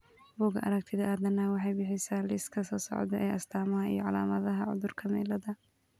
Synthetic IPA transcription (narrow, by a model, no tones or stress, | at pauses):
buːɡɐʔɐ̰ɾɐk̚t̪ʰɪðɐʔaːd̪ɐnaːwɑħɑjbɪħɪsaːlɪskʰɐsɔːsɔ̰ʕd̪ɛʔɛjʔɐst̪ʰaːmɐɦɐḭjɔʕɑlaːmɐðɐɦɐʕʊ̰ðʊrkʰɐmɛːlɐðɐ